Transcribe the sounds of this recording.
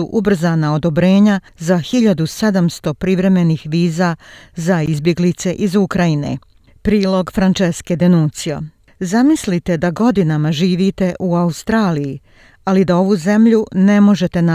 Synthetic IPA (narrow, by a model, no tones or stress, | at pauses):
uʔubr̩zanao̞d̪o̞bɾe̞ːɲa | zaxiʎad̪use̞d̪amst̪o̞pɾiʋɾe̞me̞niːxʋiːzazaizbje̞ɡlit̪se̞ʔizukɾajine̞̰ | pɾiːlˠo̞ɡfɾant͡ʃeske̞d̪enunt̪sio̰ | zamislit̪e̞d̪aɡo̞d̪inamaʒiːʋit̪e̞ʔuaust̪ɾaːliji | alid̪ao̞ʋuze̞mʎune̞mo̞ʒe̞t̪e̞na